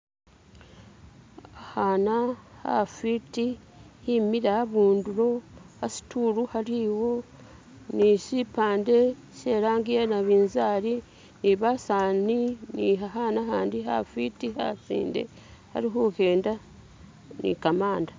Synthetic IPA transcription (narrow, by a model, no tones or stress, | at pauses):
ahaːnaha̰fitihimiɾahaβuːnduɾo̞hasi̥tuːɾuhaɾiwo̞ | nisipaːnde̞ | se̞ːɾaːŋɡijanaβiːnzaːɾi | niβasaːniniɦaɦanaɦaːndiɦa̰fitiha̰sḭːnde̞̰ | ha̰ɾiɦuhe̞ːnda | nḭkamaːnda